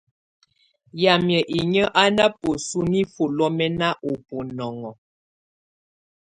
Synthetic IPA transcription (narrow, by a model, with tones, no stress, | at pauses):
ja˨mjə˨ʔi˨ɲə˦ʔa˦na˦po˨su˦ni˦fo˨lɔ˦mɛ˦na˦ʔo˨po˨nɔ˨ŋɔ˨